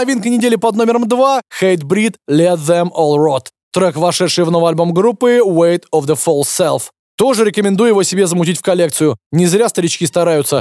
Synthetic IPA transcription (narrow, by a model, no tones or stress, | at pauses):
ɐvʲinkənʲɪdʲelʲɪpɐd̪no̞mʲɪɾəmd̪vaxejt̪bɾʲit̪lʲɛt̪ðɛmɔlˠrot̪ | t̪ɾɔkvɐʂɛt̪ʂɨjvnovəjɐlʲbomɡɾupːɨwejt̪ɔvd̪əfolˠsʲɛlˠf | t̪o̞ʐɨɾʲɪkəmʲɪnd̪ujʊjɪvosʲɪbʲezəmʊtʲitʲfkɐlʲek̚t̪sɨjʊnʲɪzɾʲast̪əɾʲɪt͡ɕkʲist̪ɐɾajʊt̪sə